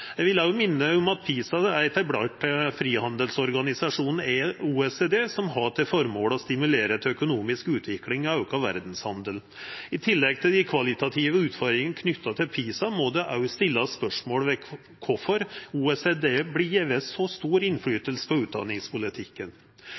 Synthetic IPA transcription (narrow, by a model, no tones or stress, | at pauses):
jæɪʋɪlɑʊmɪnːəɔmɑt̪̚pʰiːsɑæɾt̪ʰæɪbɽɑʈəfɾiːhɑnd̪əlsɔɾɡɑnɪsɑʂuːnn̩ɛuːɛseːd̪eːsɔmɦɑt̪ɛfɔɾmoːlɔst̪ɪmʉleːɾət̪ʰɛœkʊnuːmɪskʉːt̪ʰʋɪklɪŋɑɑʉkɑʋæ̰ɾd̪n̩shɑnd̪əl | ɪt̪ʰɪlːɛɡ̚t̪ʰɪld̪ɪkʰʋɑlɪt̪ɑt̪ʰiːʋəʉːt̪fɔɾɪŋənəkʰnʏt̪ːɑt̪ʰɪlpʰiːsɑmɔd̪ɛʔɑʉst̪ɪlːɑspœʂmoːlʋɛ | kʰɔfɔɾuːɛsed̪eːblieʋɛsɔst̪uːɾɪnfɽyːt̪əlsə̥pɔʉːt̪̚d̪ɑ̰nːɪŋspʊlɪt̪ʰɪkːən